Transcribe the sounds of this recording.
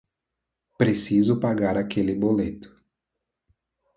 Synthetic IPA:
pɾesizʊpaɡaɾakelɪbolet̪ʊ̥

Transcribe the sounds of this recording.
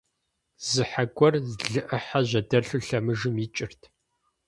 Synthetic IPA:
zɨħaɡʷʼɔrzɮɨʔɨħaʑʷɐdɐɬuɬɐmɨʒɨmit͡ʃʼɪrtʰ

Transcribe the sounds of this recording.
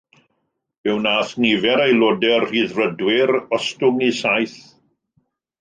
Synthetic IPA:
ɪwnaːθnivɛɾejlˠodɛrriðrədwɪɾɔstʊŋisajθ

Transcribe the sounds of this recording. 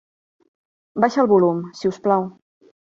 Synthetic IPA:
baʃəlˠβulumsiusplaw

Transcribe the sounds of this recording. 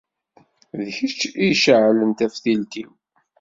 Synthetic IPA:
ðəçət͡ʃːiʃəʕlənt̪æfθilt̪iw

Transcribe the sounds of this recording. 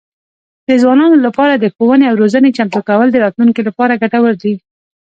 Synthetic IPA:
d̪̥əzwɑnɑnolapɑɾad̪əxowəneawɾozənet͡ʃamt̪okawəld̪əɾɑt̪luŋkilapɑɾaɡaʈawəɾd̪i

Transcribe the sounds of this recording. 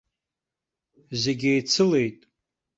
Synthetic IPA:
zeɡʲejt͡sʰɨle̞jtʼ

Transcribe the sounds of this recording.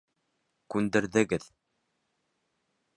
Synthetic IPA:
kʉnd̪ɘ̆ɾðɘ̆ɡɘð

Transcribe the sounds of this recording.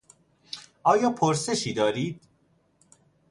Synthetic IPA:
ʔɒːjɒːpʰoɾse̞ʃiːd̪ɒːɾiːd̪̥

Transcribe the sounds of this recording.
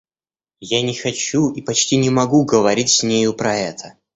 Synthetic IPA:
janʲɪxɐt͡ɕuipɐt͡ɕtʲinʲɪmɐɡuɡəvɐɾʲitʲsʲnʲejʊpɾɐɛt̪ʰə

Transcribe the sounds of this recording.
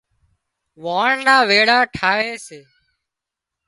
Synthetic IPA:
ʋaːɳnaːʋeːɽaːʈʰaːʋeːseː

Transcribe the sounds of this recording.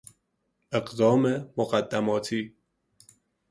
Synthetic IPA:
ʔeɢd̪ɒːmemoɣæd̪ːæmɒːt̪ʰiː

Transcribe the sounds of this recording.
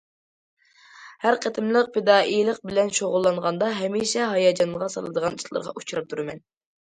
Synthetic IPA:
hæɾqʰət̪ʰɪmlˠəq̚pʰed̪ɑːʔijlˠəq̚bɪlɛnʃoʁʊlˠːɑnʁɑnd̪ɑɦɛmiʃɛɦɑjɑːd͡ʒɑnʁɑsɑ̰lˠɨd̪əʁɑniʃlˠɨ̰ɾʁɑ̰ʔut͡ʃɾɑp̚t̪ʰuɾɨmɛn

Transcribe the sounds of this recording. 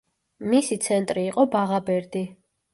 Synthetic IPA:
misit̪sʰɛnt̪ʼɾiːqʼɔbaʁabɛɾd̪i

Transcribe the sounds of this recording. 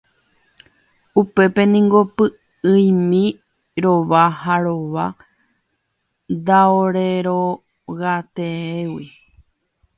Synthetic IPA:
upe̞pe̞nĩŋɡo̞pɨ | ɨĩmĩ | ɾoʋaɦaɾoʋa | d̪aoɾeɾo | ɣat̪eewi

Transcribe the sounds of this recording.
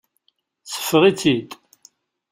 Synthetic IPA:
t͡sːə̥fːʁit͡sːit̪

